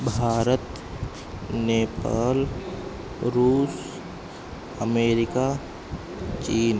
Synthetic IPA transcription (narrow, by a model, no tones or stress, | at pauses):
bʱaːɾət̪ | neːpaːl | ɾuːs | əmeːɾɪkaː | t͡ʃiːn